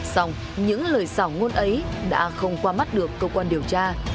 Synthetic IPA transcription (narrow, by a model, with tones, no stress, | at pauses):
sɔ˧wŋ͡m | ɲɨ̰˧˥ŋləː˨˩jsaː˧˩wŋo˧nʔə˨˦jɗa̰ː˧˥xə˧wŋ͡mkwaː˧ma˦˥t̚ɗɨ˨˩əkːəː˧kwaː˧nɗi˨˩əwt͡ɕaː˧